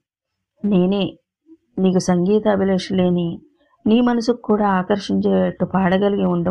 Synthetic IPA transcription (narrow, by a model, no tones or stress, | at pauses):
ne̞ːneː | niːkusɐŋɡiːt̪ɐːbʱileːʂleːni | niːmɐnɐsukːuːɽaːaːkɐɾʂiɲt͡ʃeːɐʈːupaːɽɐɡɐliɡiuɳɖɐ